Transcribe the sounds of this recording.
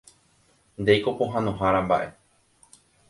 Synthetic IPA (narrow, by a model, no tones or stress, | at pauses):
nd̪e̞jkopoɦãnõɦaɾãmbaʔe̞